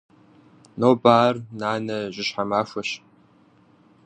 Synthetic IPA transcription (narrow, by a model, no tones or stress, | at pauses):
noːbaːrnaːnɐʑɪɕħamaːʂʷɐɕ